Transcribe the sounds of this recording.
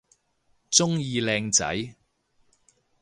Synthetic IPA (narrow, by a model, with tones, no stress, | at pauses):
t͡sʊ˥ŋjiː˧lɛː˧ŋt͡sɐ̰˨˥j